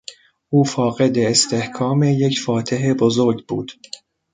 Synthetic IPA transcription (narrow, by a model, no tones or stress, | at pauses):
ʔuːfɒːɣe̞d̪eːst̪ʰehkʰɒːme̞jecʰfɒːt̪ʰeɦebozo̞ɾɟbuːd̪̥